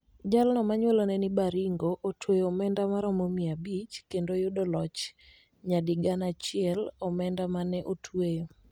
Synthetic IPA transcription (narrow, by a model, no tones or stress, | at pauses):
d͡ʒalnɔmaɲwɛlonɛnibaɾiŋɡoʔotʰweomɛndamaɾɔmomiabit͡ʃkendojodɔlɔt͡ʃ | ɲadiɡanat͡ʃɪɛlɔmɛndamanɛʔotʰwe